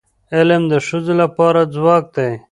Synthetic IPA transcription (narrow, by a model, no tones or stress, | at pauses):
elemd̪əʂuzelapɑːɾad͡zwɑːk̚d̪ej